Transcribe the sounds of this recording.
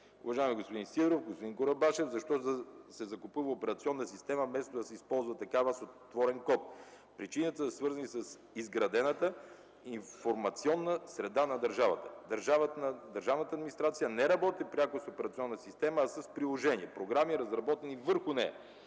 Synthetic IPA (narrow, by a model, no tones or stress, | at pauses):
ʊ̰vɐʒaɛmiɡospod̪insivɾofɡospod̪inkoɾɐbaʃɛfzɐʃt̪ɔt̪əsɛzɐkopuvəopɛɾɐt̪siɔnːəsist̪ɛməmɛst̪od̪ɐsɛispɔlˠzvɐt̪ɐkavəsot̪ːvɔɾɛnkɔt̪̚ | pɾit͡ʃinət̪əssvɤɾzɐnisəs | izɡɾɐd̪ɛnət̪ə | iɱfoɾmɐt̪siɔnːəsɾɛd̪anɐd̪ɐɾʒavət̪ə̥d̪ɐɾʒavd̪ɐɾʒavnət̪əːd̪minist̪ɾat̪sijənɛɾɐbɔt̪ipɾʲakʊsopɛɾɐt̪siɔnːəsist̪ɛməːsɐspɾilˠoʒɛniɛpɾoɡɾamiɾɐzɾɐbɔt̪ɛnivəɾxʊnɛ̰jɐ̰